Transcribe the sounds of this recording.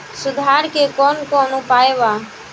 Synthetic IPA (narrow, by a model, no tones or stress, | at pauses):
sʊd̪ʱaːɾkekɔːnkɔːnupaːebaː